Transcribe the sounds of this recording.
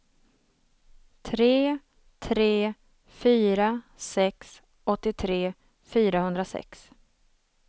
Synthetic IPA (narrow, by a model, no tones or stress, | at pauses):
t̪ʰɾeː | t̪ʰɾeː | fyːɾasɛks | ɔt̪ːɪt̪ʰɾeː | fyːɾahɵnd̪ɾasɛ̰ks